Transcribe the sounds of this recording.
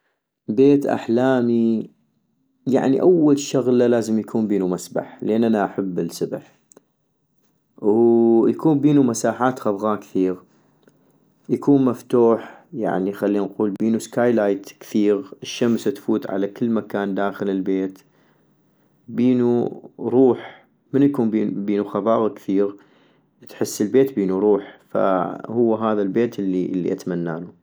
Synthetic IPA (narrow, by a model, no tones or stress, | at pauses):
beːt̪ʔa̰ħlaːmi | ja̰ʕniʔawːalʃʊɣlalaːzəmjakʰuːmbiːnumasba̰ħleːnʔanaʔaħabːɪnsʊbħ | wjakuːmbiːnumasaːħaːt̪ɣabɣakθiːɣ | jakuːnmaft̪uːħja̰ʕnixalːinquːlbiːnuskaːjlaːjt̪kθiːɣɪʃːamst̪fuːt̪ʕa̰lakɪlːmakaːnd̪aːxɪlɪlbeːt̪ | biːnuɾˤuːħ | mənjakuːmbiːbiːnuxɑbɑːɣkθiːɣ | t̪ħɪsːəlbeːt̪biːnuɾˤuːħfa̰hʊwːaɦaːðalbeːt̪ɪlːiʔlːḭʔat̪manːa̰ːnu